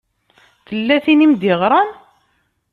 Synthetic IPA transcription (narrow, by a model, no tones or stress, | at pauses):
θəlːæθinimd̪iʁɾˤɑn